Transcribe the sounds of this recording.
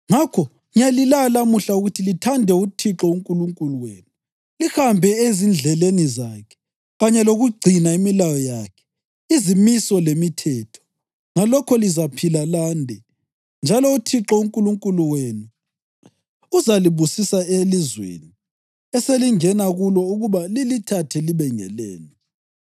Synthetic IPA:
ŋakʰɔ | ŋijalilalamuɬauɣutʰilitʰandʱɛutʰiǁɔuŋkʼuluŋkʼuluwḛːnu | lixambʱɛezind͡ɮʱɛlenizaːkʰɛ̥ | ɣaɲɛloɣuɡ͡ǀʱinaimilajɔjakʰɛ̥ | izimisɔlemitʰɛːtʰɔ̥ | ŋalɔkʰɔlizapʰilalandʱɛ | nd͡ʒʱalɔutʰiǁɔuŋkʼuluŋkʼuluwenu | uzaliβusisaelizwḛni | ɛseliŋɛnaɣulɔuɣuβalilitʰatʰɛliβɛŋɛ̰lɛ̰ːnɛ

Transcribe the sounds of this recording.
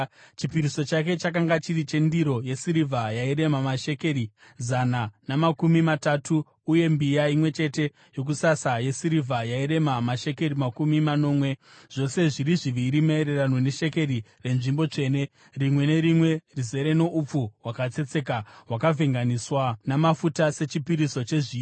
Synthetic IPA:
t͡ʃipiɾiso̞t͡ʃake̞t͡ʃak̬aŋɡat͡ʃiɾit͡ʃe̞ndiɾo̞je̞siɾivʱajaiɾe̞mamaʃe̞ke̞ɾi | zananamakumimatatʰuː | je̞mbijaimwe̞t͡ʃe̞te̞ | jo̞k̬usasaje̞siɾivʱajaiɾe̞mamaʃe̞ke̞ɾimakumimano̞ːmwe̞ | ʐ̥o̞se̞ʐiɾiʐiʋiːɾimeeɾe̞ranone̞ʃe̞ke̞ɾi | re̞nʐimbo̞t͡ʂe̞ːne̞ | rimwe̞ne̞ɾimwe̞rize̞ɾe̞no̞ʔup͡fuwakat͡se̞t͡se̞kaɦwakavʱeŋɡaniswanamafutase̞t͡ʃipiɾiso̞t͡ʃe̞ʐiː

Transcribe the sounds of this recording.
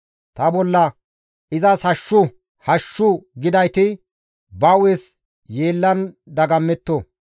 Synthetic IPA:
t̪ɐbɔlːɐ | ɪzɐshɐʃːʊ | hɐʃːʊɡɪd̪ɐjt̪ɪ | bɐwes | jeːlːɐn | d̪ɐɡɐmːɛt̪ːo

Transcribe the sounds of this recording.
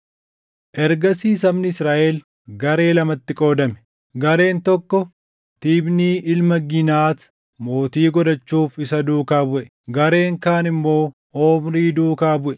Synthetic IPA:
ʔɛɾɡɐsiːsɐmnɪɪsɾaːʔel | ɡɐɾe̞ːlɐmɐt̪ːɪkʼo̞ːd̪ɐmɛ̥ | ɡɐɾe̞ːnt̪ɔkːɔ | t̪iːbniːʔɪlmɐɡɪnaːt̪ | mo̞ːt̪iːɡɔd̪ɐt͡ʃːuːfɪsɐd̪uːkaːbʊʔɛ | ɡɐɾe̞ːŋkaːnɪmːo̞ː | oːmɾiːd̪uːkaːbʊʔɛ

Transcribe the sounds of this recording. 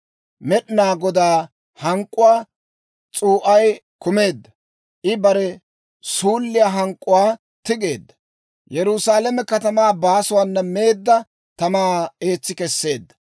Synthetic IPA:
mɛɗɪnaːɡɔd̪aː | hɐŋkʼːʊwaː | t͡sʼuːʔɐj | kʊme̞ːd̪ːɐ | ʔɪbɐɾɛ | suːlːɪjaɦɐŋkʼːʊwaː | t̪ɪɡe̞ːd̪ːɐ | jɛɾʊsaːlɛmɛkɐt̪ɐmaːbaːsʊwanːɐme̞ːd̪ːɐ | t̪ɐmaːe̞ːt͡sːɪkɛsːe̞ːd̪ːɐ̥

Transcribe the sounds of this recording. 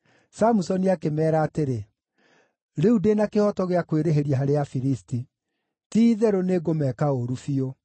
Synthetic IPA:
samusɔniakemɛːɾaːteɾe | ɾeudenakehɔtɔɣeakweɾeɦeɾjaɦaɾeafiɾisti | tiːðɛɾoneɡomɛkaoɾufio

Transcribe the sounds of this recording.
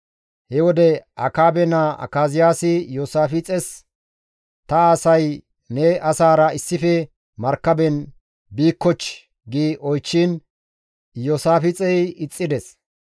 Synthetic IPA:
hɛwɔd̪ɛʔɐ̰kaːbɛnaɐ̰kaːzɪjaːsɪjoːsaːfɪt͡sʼɛs | t̪ɐaːsɐj | nɛʔɐsaːɾɐɪsːɪfɛ | mɐɾkːɐbɛn | biːkːɔt͡ʃː | ɡiʔɔjt͡ʃːiːn | joːsaːfɪt͡sʼɛjɪt͡sʼːɪd̪ɛs

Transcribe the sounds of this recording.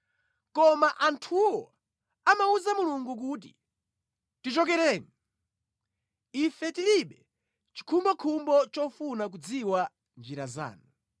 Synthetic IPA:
kɔmaʔantʰuwɔ | amauzamuluŋɡuk̬ut̬ḭ | tit͡ʃɔk̬ɛɾɛːni | ifɛtiliɓɛ | t͡ʃi̥kʰumbɔkʰumbɔt͡ʃɔfunak̬ud͡ziwa | nd͡ʒiɾaza̰ːnu

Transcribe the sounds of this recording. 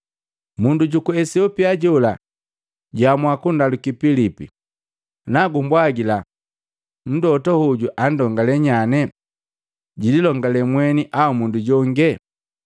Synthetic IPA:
munduɟukuɛsiɔpiaɟɔla | ɟamwakundalukipilipḭ | naɡumbwaɡila | n̩dɔtɔhuɟuʔan̩dɔŋɡalɛɲanɛ | ɟililɔŋɡalɛmwɛniʔaumunduɟɔŋɡɛ

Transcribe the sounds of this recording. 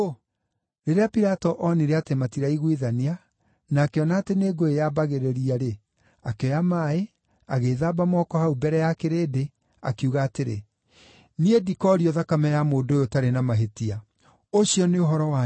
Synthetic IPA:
o | ɾeɾeapiɾatɔʔɔniɾeatematiɾaiɣwiðania | nakeɔnaːteneːɡoejabaɣeɾɛɾiaɾe | akeɔjamae | aɣeðaːbamɔkɔhaubɛɾɛjakeɾede | a̰kuɣaːteɾḛ | niedikɔɾiɔðakamɛjamoːndoːjotaɾenamaɦetia | oɕiɔneoɦɔɾɔwa

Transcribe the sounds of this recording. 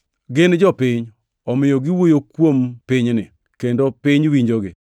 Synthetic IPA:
ɡɪnd͡ʒɔpɪɲ | ɔmɪjoɡɪwojokwompɪɲnɪ̰ | kendopɪɲwiɲd͡ʒoɡɪ

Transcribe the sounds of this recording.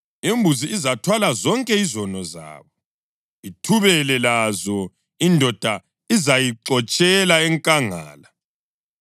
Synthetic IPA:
embʱuziːzatʰwalazɔŋkʼɛizɔnɔza̰ːβɔ | itʰuβɛlɛlazɔ | indʱɔd̥ʱa | izajiǀɔt͡ʃʼɛlaɛŋkʼaŋa̰ːla

